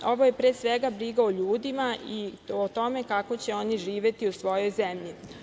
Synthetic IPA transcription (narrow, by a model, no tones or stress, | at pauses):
o̞ʋo̞je̞pɾeːsʋe̞ɡabɾiɡaoʎuːd̪imaiot̪o̞me̞kako̞t͡ɕe̞o̞niʒiːʋje̞t̪iusʋo̞jo̞jzemʎi